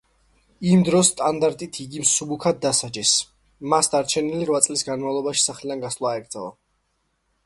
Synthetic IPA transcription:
imd̪ɾɔsːt̪ʼand̪aɾt̪ʼit̪ʰiɡimsubukʰad̪̚d̪ːasad͡ʒɛs | masd̪aɾt͡ʃʰɛniliɾvwat̪sʼlisɡanmavlˠɔbaʃi̥saχlid̪anɡasvlˠaːɛɡɾd̪zalˠa̰

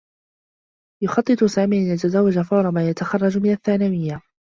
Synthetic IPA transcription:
jʊxɑt̪ˤːɨt̪ˤʊsaːmiːʕʔanjat̪azawːad͡ʒafɑwɾˤɑmaːjat̪axɑrˤːɑd͡ʒmɪnaθːaːnawɪjːa

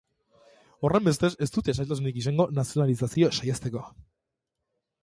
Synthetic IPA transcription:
o̞re̞mbe̞st̪e̞se̞st̪ut̪iesajlt̪asunikisaŋɡo̞nasio̞nalisasiosajast̪e̞ko

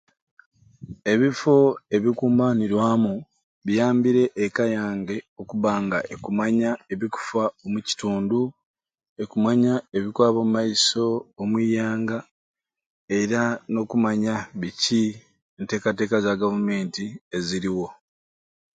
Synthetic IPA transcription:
e̞βifo̞e̞βikuːmbaniɾwaːmu | βijaːmbiɾe̞ʔːkajaːŋɡe̞o̞kuβaːŋɡaʔekumaɲae̞βiku̥faomuci̥tuːndu | e̞kumaɲae̞βikwaːβomumːaiso̞ːmwiːjaːŋɡa | e̞ɾano̞kumaɲaβici | ente̞ːkate̞ːkazaɡavume̞ːntie̞ziɾiwo̞

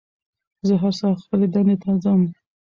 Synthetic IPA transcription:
zəɦaɾsɑxpəled̪and̪et̪ʰɑzam

